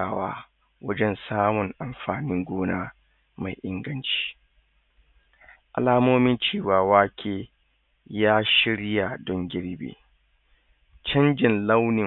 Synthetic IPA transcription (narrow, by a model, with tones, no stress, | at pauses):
aː˨wa̰ː˦ | wɐ˦d͡ʒɛ˦nsaː˦mʊ˨ŋʔa˨mɸaː˨nɪ˦ŋɡʷoː˦naː˦ | ma˨jʔɪ˦ŋɡɐ˦nt͡ʃi̥ː˦ | ʔa̰˨laː˦moː˦mɪ˦nt͡ʃeː˦˨waː˨waː˦kʲʰeː˨ | jaː˦ʃɪ˦ɽja˨dɔ˦ŋɡʲɪ˦ɽbḛː˨ | t͡ʃɐ˦nd͡ʒɪ˨nlɐ˦wnɪ˨